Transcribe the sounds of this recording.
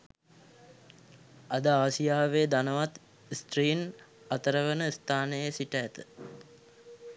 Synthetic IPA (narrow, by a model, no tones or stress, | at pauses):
ad̪əaːsijaːʋeːd̪anəʋat̪ | isʈ̪ɾiːn | at̪əɾəʋənəist̪ʰaːnəjəsiʈəːt̪ə̥